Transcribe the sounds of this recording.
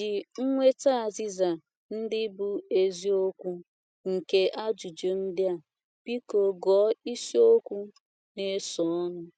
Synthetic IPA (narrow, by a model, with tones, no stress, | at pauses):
dɪ˨ŋ̩˦ŋʷe˦ta˦a˨zi˦za˨ | n̩˦dɪ˦bu˦e˨zi˦o˦kʷu˦ | ŋ̩˨ke˦ʔa˦d͡ʒu˨d͡ʒe˨n̩˦dɪ˦a˨ | b̥i˦ko˨ɡɔ˨˦i˦si˦o˦kʷu˦ | ne˦sɔ˨ɔ˦nʊ˦